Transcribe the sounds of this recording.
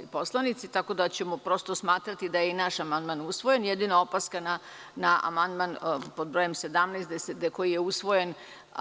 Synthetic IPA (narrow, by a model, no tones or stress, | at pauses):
ipo̞slˠanit̪sit̪ako̞d̪at͡ɕemopɾo̞st̪osmaːt̪ɾat̪id̪ajeinaʃamand̪manusʋo̞je̞njed̪inao̞paskana | naa̰mand̪manpo̞d̪bɾojemse̞d̪amnɛjst̪d̪esed̪eko̞jijeusʋo̞je̞n